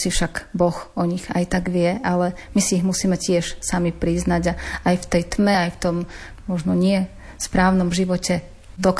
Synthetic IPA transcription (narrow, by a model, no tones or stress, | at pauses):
sifʃaɡbɔxɔɲiɣajt̪aɡʋɪɛʔalɛmisiiɣmusiːmɛcɪɛʃsamipɾiznaɟaajft̪ɛjt̪mɛajft̪ɔm | mɔʒnɔɲɪɛ | spɾaːʊnɔmʒiʋɔcɛ | d̪ɔk